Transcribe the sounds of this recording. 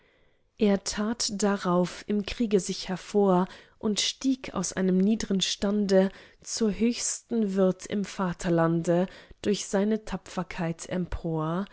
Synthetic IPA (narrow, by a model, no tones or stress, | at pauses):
ʔeːɐtʰaːtd̥aʁaʊfɪmkʁ̥iːɡəzɪçhɛɐfoːɐʔʊntʃtiːkʰa̰ʊsʔa̰ɪnəmniːdʁənʃtandə | t͡suːɐɦøːçstn̩vɪɐtʰɪ̰mfaːtʰɐlandəd̥ʊɐçz̥aɪnətʰapfɐkʰaɪtʰɛ̰mpʰoːɐ